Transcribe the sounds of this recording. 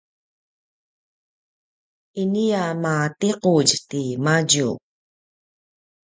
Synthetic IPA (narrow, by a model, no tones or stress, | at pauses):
inijamat̪equɟt̪imaɟuːk̚